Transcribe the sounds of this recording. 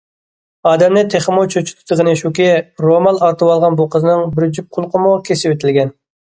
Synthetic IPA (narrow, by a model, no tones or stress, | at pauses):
ɑːd̪ɛmnɪt̪ʰeχmot͡ʃʰøt͡ʃʰu̥t̪ʰɨ̥t̪ɨʁəneʃukʲiɾomɑnɑɾt̪ʰɨwɑlˠʁɑnbuqʰəzɨnɨŋbɪɾd͡ʒyp̚qʰʊlˠqʰəmukʲʰesɪwet̪ʰɪlɡʲɛn